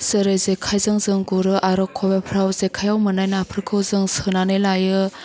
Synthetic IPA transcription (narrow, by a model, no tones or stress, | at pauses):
sɯɾezekʰajzɯŋzɯŋɡuɾɯʔaɾɔkʰɔbepʰɾawzekʰajawmɯnajnapʰɯɾkʰɯwzɯŋsɯnanɯlajɯ